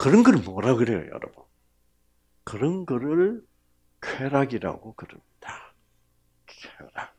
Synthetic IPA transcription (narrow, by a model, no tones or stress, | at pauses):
kɯɾʌnɡʌɾɯɭmoɾaɡokɯɾejo̰jʌ̰ɾʌbɯn | kɯɾʌnɡʌɾɯɭ | kʰweɾaɡiɾa̰ɡokɯɾɯmɲid̥a | kʰeɾa